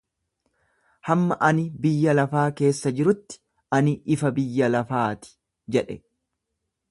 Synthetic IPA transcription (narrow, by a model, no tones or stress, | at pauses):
hɐmːɐʔɐnɪbɪjːɐlɐfaːke̞ːsːɐd͡ʒɪɾʊt̪ːɪ̥ | ʔɐnɪɪfɐbɪjːɐlɐfaːt̪ɪ̥ | d͡ʒɛᶑɛ